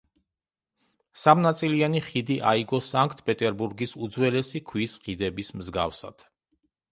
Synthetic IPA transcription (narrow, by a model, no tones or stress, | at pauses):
samnat̪sʼilianiχid̪iʔaiɡɔsaŋkʰt̪ʰʼpʼɛt̪ʼɛɾbuɾɡisud̪zwɛlɛsikʰwisχid̪ɛbismzɡa̰fsa̰d̪̥